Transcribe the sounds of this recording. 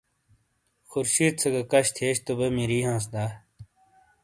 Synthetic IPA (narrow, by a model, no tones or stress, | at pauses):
xuɾɕiːt̪̚t͡sʰɐɡɐkɐɕt̪ʰeːɕt̪ubɐmiɾiːɦãːs̬d̪aː